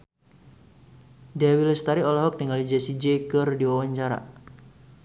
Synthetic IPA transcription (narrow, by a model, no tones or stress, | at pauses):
dawilɛst̪aɾiɔlɔɦɔk̚niŋalid͡ʒasid͡ʒekərdiwawaɲt͡ʃaɾa̰